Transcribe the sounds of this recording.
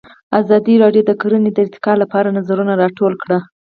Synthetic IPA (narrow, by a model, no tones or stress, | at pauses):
azɑd̪iɾɑɖjod̪əkoɾəned̪əɪkt̪ɪ̥kɑlapɑɾanazaɾunaɾɑʈolkɽa